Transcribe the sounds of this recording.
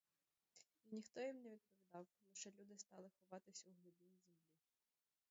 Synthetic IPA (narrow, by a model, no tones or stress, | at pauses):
inʲixt̪ɔjimneʋʲid̪̚pɔʋʲid̪ɑwlˠɔʃɛlʲud̪ɪst̪ɑlˠɪxɔʋɑt̪ɪsʲɐuɦlˠʊbʲinizemlʲi